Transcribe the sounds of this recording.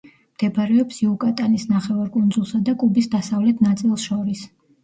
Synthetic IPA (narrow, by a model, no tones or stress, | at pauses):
md̪̥ɛbaɾɛɔpsiukʼat̪ʼanisnaχɛvaɾkʼund̪zulˠsad̪akʼubisd̪asavlɛt̪ʰnat̪sʼilˠsʃɔɾis